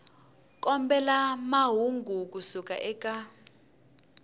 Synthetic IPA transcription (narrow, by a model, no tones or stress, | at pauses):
kʼɔmbɛlamaɦuŋɡʱuk̬ʼusukʼa̰ʔɛkʼa